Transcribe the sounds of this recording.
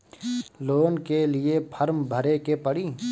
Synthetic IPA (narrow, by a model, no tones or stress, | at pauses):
loːnkelɪepʰəɾmbʱəɾekepəɽiː